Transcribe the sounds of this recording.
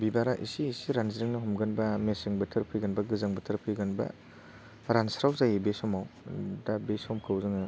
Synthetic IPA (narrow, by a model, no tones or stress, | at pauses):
bibaɾaʔḭsiːsiɾanziɾiŋnɐɦɔmɡɐnbɐmesiŋbɐtʰɯɾpʰɯjɡɐnbɐɡɯzaŋbɐtʰɯɾpʰɯjɡɯnbɐ̰ | ɾansɾawzajibesɔmawdabesɔmkʰɯwzɯŋɯ